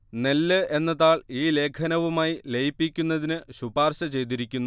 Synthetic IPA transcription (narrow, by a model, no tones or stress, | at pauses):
nelːɨe̞nːɐðaːɭiːle̞ːkʰɐnɐʋumaːjile̞jpːikʲːunːɐðinɨɕubaːrɕɐt͡ɕe̞jt̪̬iɾikʲːunːu